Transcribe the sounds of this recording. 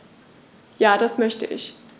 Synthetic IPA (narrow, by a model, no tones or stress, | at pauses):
jaːdasmœçtə̰ʔɪ̰ç